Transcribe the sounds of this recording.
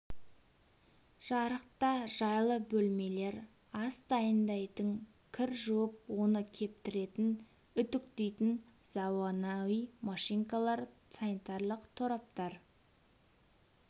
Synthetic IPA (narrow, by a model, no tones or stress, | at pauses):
ʒ̥ɑɾəq̚t̪ɑʒɑjlˠəbɵlme̞le̞ɾ | ɑst̪ɑjənd̪ɑjt̪əŋ | kʲʰɪɾʒuwəp̚wo̞nəkʲʰe̞p̚t̪ɪɾe̞t̪ɪn | ʏt̪ʏk̚t̪ejt̪ɪnz̥ɑwɑnɑwijmɑʃijŋkɑlˠɑɾsanit̪ɑɾlˠəqt̪ʰoɾɑp̚t̪ɑɾ